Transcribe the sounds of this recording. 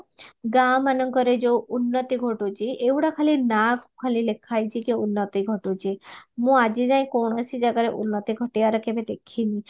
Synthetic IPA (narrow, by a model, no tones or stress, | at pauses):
ɡamanɔŋkɔɾed͡ʒounːɔt̪iɡʱoʈut͡ʃʰiʔewʈakʰalinakʰkʰalilekʰajt͡ʃʰikiunːɔt̪iɡʱɔʈut͡ʃʰimũad͡ʒid͡ʒaj̃kɔwɽ̃ɔsid͡ʒaɡaɾeʔunːɔt̪iɡʱɔʈiaɾɔkebed̪ekʰinĩ